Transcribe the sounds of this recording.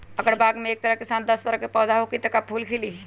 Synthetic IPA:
ɐɡəɾbaːɡmẽeːk̚t̪ɐɾəkɪsaːnd̪ɐst̪ɐɾəɦkepɛːd̪aɦokit̪ɐkapʰuːlkʰɪli

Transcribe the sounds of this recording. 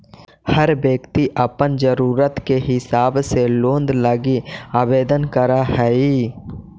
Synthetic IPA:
həɾbjəkt̪iʔəpənd͡ʒəɾuːɾət̪keɦɪsaːbselõːnd̪ləɡiaːbeːd̪ənkəɾaɦɛi

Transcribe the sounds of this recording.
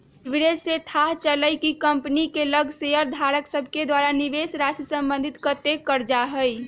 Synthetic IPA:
biɾeset̪ʰaɦt͡ʃələjkikəmpnikeləɡʱseəɾd̪ʱaɾəksəbʱked̪waɾaniʋesɾasəsə̃mbə̃nd̪ʱit̪kət̪ekəɾd͡ʒaɦəj

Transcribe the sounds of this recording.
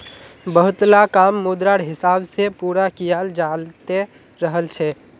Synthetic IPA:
bəɦʊt̪lakaːmːuːd̪ɾaɽɦɪsaːbsepuːɾakijaːld͡ʒaːlt̪e | ɾəɦəlt͡ʃʰɛ

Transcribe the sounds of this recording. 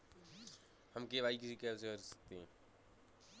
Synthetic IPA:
həmkeβaːikɪsikeseəɾsə̥k̚t̪eɦɛ̃ː

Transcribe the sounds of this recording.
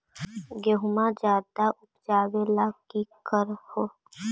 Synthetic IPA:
ɡeɦʊmad͡ʒaːd̪aʔʊpd͡ʒaːʋelaːkikəɾhoː

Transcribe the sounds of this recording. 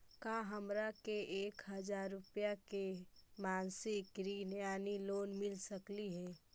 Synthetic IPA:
kaːɦəmɾakeʔeːkɦəd͡ʒaːɾːʊpjakemaːnsɪkɾinjaːniloːnmɪlsəkliɦɛː

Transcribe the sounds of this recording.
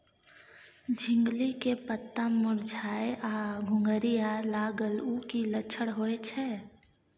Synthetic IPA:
d͡ʒʱĩŋɡlikepət̪ːamʊɾd͡ʒʱaːjaɡʱʊ̃ŋɡəɾijalaɡəlukilət͡ʃʰəɽɦoɛt͡ʃʰɛ

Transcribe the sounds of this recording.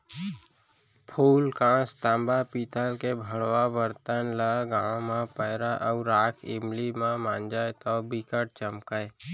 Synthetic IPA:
pʰuːlkãːst̪ãːmbapiːt̪ʰalkebʱəɽwabəɾt̪ənləɡãːwmãpəɪɾaʔaʊɾaːkʰɪmlimãmãːnd͡ʒaːet̪ɔbikəʈ̚t͡ʃəmkae

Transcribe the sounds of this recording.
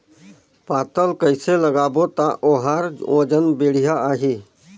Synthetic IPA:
paːt̪əlkəɪseləɡaːbot̪aʔoɦaːɾõ̰ːd͡ʒənbeːɽijaaːɦi

